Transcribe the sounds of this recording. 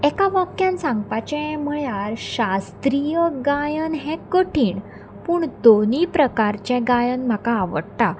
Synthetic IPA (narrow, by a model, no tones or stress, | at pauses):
ɛkaʋakjãnsãŋɡpat͡ɕɛ̃m̤əjaɾɕast̪ɾijəɡajənɦɛ̃kəʈʰiːɳ | puːɳd̪onipɾəkaɾt͡ɕɛ̃ɡajənm̤akaːʋə̰ɽt̪a